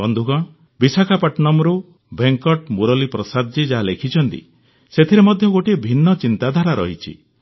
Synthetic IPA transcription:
ɔnd̪ʱuɡɔ | bisakʰapaʈnɔmɾu | beŋkɔʈmuɾɔlipɾɔsad̪d͡ʒid͡ʒaɦalekʰit͡ʃʰɔnt̪ḭ | set̪ʰiɾemɔd̪ʱjɔɡoʈiebʱinːɔt͡ʃint̪ad̪ʱaɾaɾɔ̰ɦit͡ʃʰḭ

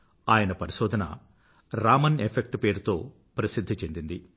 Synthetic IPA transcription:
aːjɐnɐpɐɾiʃɔːd̪ʱɐnɐ̰ | ɾaːmɐnepʰek̚ʈpeːɾt̪o̞ː | pɾɐsid̪ʱːit͡ʃe̞nd̪ind̪i

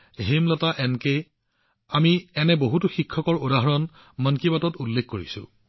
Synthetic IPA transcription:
ɦemlɔtaʔɛnke | amiɛnɛboɦutuxikʰːɔkɔɹodaɦɔɹɔn | mankibatɔtulːekʰkːoɹḭsʊ̰̃

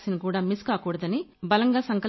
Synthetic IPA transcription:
sinɐkuːɽaːmiskaːkuːɽɐd̪ɐnibɐlɐŋɡaːsɐŋkɐ

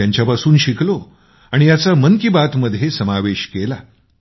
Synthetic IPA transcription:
jaɲt͡ɕjapasuːnɕikʰlo | aɽ̃ijat͡saməŋkibat̪məd̪ʱːjesəmaʋeɕkela

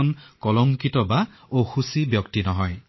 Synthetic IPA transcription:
unkɔlɔŋkitɔba | oxusibjɔktinɔɦɔj

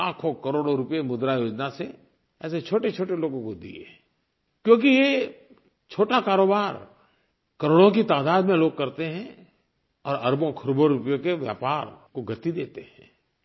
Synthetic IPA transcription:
aːkʰõkɐɾoːɽoɾʊpjemʊd̪ɾajoːd͡ʒnase | ɛːset͡ʃʰoːʈet͡ʃʰoːʈeloːɡõkod̪ḭḛ | kjõːk̬ije | t͡ʃʰoːʈakaːɾoːbaːɾ | kɐɾoːɽõk̬it̪aːd̪aːd̪mẽloːɡ̚kɐɾt̪eɦɛ̃ | ɔːɾɐɾbõkʰəɾoːboɾʊpjõkeʋja̰ːpaːɾkoɡʱɐt̪id̪eːt̪eɦɛ̃ː

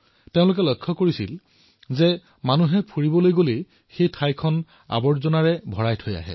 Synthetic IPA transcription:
teʊ̃lʊk̬ɛlɔjkʰːɔkoɹisḭl | zɛ | manuɦɛpʰuɹibɔlojɡolej | xejtʰajkʰɔn | a̰bɔɹzɔnaɹɛbʱɔɹajtʰoja̰ɦɛ̰

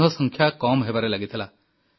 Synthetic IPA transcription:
ɦɔsɔŋkʰjakɔmɦebaɾelaɡit̪ʰila

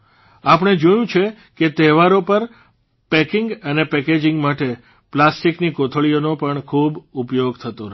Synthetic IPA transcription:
apəɳ̃ed͡ʒojũt͡ʃʰe | ket̪ɛɦʋaɾopəɾ | pɛkɪŋɡənepɛked͡ʒɪŋɡmaʈe | plasʈiknikot̪ʰəɭijonopəɳkʰubupjoɡt̪ʰət̪o

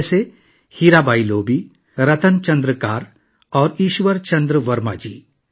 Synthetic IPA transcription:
se | hiːɾaːbaːiloːbiː | ɾɐt̪ənt͡ʃɐ̃nd̪ɾəkaːɾ | ɔːɾiːʃʋəɾt͡ʃɐ̃nd̪ɾəʋɐɾma̰ːd͡ʒiː

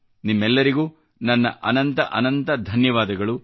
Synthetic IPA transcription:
nimːɛlːɐɾiɡuː | nɐnːɐ̰ʔɐnɐnt̪ɐʔɐnɐnt̪ɐd̪ʱɐnjɐʋaːd̪ɐɡɐɭu

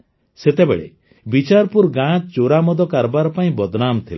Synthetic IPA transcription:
set̪ebḛɭḛ | bit͡ʃaɾpuɾɡãt͡ʃt͡ʃoɾamɔd̪ɔkaɾbaɾɔpaĩbɔd̪namt̪ʰil

